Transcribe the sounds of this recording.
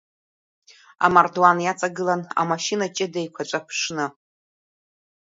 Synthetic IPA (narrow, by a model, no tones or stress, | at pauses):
a̰mardwanjat͡sʼaɡɨlana̰maʃinat͡ʃʼɪdejkʷʰat͡ʃʷʼapʰʂnɨ